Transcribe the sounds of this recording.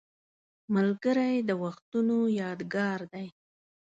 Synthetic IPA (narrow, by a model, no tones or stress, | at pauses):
malɡəɾajd̪əwaxt̪unojɑd̪ɡɑɾd̪aj